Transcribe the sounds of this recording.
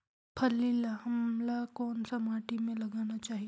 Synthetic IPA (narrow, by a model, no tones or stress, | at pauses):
pʰɐlːilahɐmlakɔːnsamaːʈimẽlɐɡaːnat͡ʃaːɦi